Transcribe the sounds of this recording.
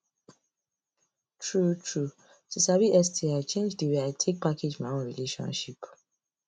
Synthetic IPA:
tʰɹutʰɹu | tusabiʔɛstʰiat͡ʃẽnd͡ʒdiweaɪtʰek̚pakʰed͡ʒmaɔ̃nɹḭleʃɔ̰̃nʃip

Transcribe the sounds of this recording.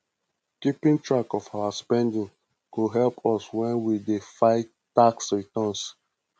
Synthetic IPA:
kipĩntɹakɔfawaspɛ̃ndĩŋ | kuɦɛlpʰɔswɛ̃nwidefaɪtːaksɹitɔ̃ns

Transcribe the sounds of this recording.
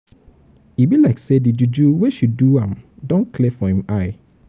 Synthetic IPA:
ibilaɪksedid͡ʒud͡ʒuweʃuduãmdɔ̃nkʰlefɔhĩmaɪ

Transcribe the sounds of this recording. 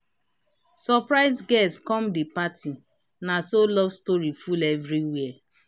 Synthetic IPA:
sɔpɹaɪzɡɛskɔ̃mdipatʰi | nasolɔvstɔɹifulɛvɹiwɛɛ

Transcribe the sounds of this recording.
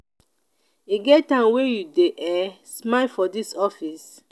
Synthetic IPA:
iɡɛttãnwejudeʔɛ | smalfɔdisɔfis

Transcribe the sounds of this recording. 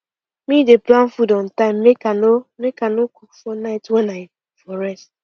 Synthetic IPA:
mideplãn̩fudɔn̩taɪ̃mmekanomekanoku̥kfɔnaɪtwɛnaɪ | fɔɾɛst

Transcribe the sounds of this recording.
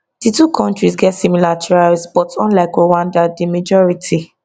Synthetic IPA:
d̥itukʰɔ̃ntɹisɡɛtsimilatʰɹalsbɔtɔ̃nlaɪkowãndadimad͡ʒɔɹitʰi

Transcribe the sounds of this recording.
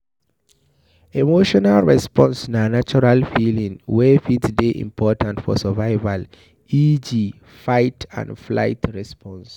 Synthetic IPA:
emoʃɔnalɹɛspɔ̃nsnanat͡ʃɔɹalfilĩŋwɛfitsdeʔḭ̃mpʰɔtʰãntfɔ̰səvaɪval | id͡ʒi | faɪtʰã̰ndfla̰ɪtɹɛspʰɔ̃ns

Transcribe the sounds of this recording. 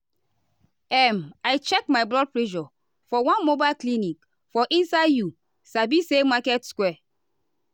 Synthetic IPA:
ɛmaɪt͡ʃɛkmajblɔd̚pleʃɔ | fɔwãnmobaɪlklinik | fɔʔĩnsaɪdju | sabisemakɛtskwɛ

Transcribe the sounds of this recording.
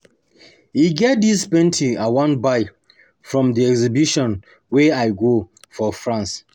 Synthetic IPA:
iɡɛt̚dispɛ̃ntʰiawãnbaɪ | fɹɔ̃mdiɛɡzibiʃɔ̃n | wɛaɪɡo | fɔfɹãns

